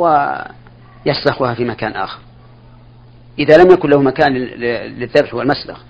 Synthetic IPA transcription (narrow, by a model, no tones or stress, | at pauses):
wa | jaslaxuhafimakaːnʔa̰ːxɑɾˤ | ʔɪðalamjakʊnlahumakaːnlɪðːabħhʊwːalmasla̰x